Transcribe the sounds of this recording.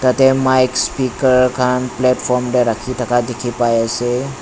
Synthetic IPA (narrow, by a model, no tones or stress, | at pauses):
t̪ət̪emajkspikəɾkʰanplɛʈfɔɾmɖeɾakʰit̪akad̪ekʰipajase